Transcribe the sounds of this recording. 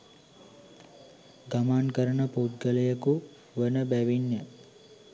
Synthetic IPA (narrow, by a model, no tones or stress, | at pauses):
ɡamaːnkəɾənəpout̪̚ɡəlɐjəku | ʋənəbæʋinjə